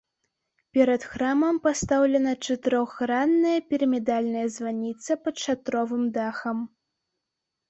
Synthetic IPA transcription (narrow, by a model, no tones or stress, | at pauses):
pʲɛɾɐt̪xɾamɐmpast̪awlʲɛnɐt͡ʂɐt̪ɨɾɔxːɾanːɐjɐpʲɛɾɐmʲɛd̪alʲnɐjɐzvanʲit̪sɐpɐt̪ʂat̪ɾɔvɨmd̪axɐm